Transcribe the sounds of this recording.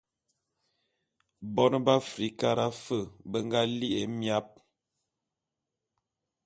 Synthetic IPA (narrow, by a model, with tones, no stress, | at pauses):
bɔ˦n˦ba˦fɾi˨˦ka˦ɾa˦fə˦˨bə˦ŋɡa˦li˦ʔe˨˦mja˦p̚